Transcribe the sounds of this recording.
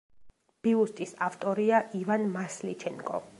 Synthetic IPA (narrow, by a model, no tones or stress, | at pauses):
b̥iust̪ʼisaft̪ʼɔɾiaʔivanmaslit͡ʃʰɛnkʼɔ̰